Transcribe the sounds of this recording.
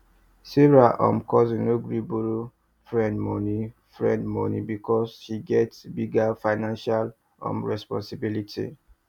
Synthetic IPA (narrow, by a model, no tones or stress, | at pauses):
siɹaʔɔ̰̃mkɔzĩnoɡɹiboɾo | fɹɛ̃ndmɔni | fɹɛ̰̃ndmɔnḭbikɔsʃiɡɛtsbiɡafaɪnãnʃal | ɔ̰̃mɹɛspɔ̰̃nsibilitʰḭ